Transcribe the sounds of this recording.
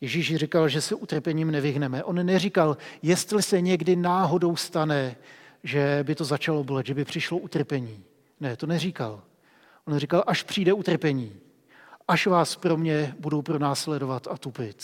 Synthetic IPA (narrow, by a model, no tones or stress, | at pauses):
jɛʒiːʃrɪkalʒɛsɛʔut̪r̩pɛɲiːmnɛvɪɦnɛmɛʔo̞nːɛrikaljɛst̪lɪsɛɲɛɡdɪnaːɦo̞do̞wst̪anɛʒɛbɪt̪o̞zat͡ʃalo̞blɛt̪ʒɛbɪpr̝̥ɪʃlo̞ʔut̪r̩pɛɲiː | nɛt̪o̞nɛrika̰l | ʔonrɪkalʔaʃpr̝̥iːdɛut̪r̩pɛɲiː | ʔaʃvaːspɾo̞mɲɛbudowpɾo̞naːslɛdo̞vat̪ʔat̪upɪt̪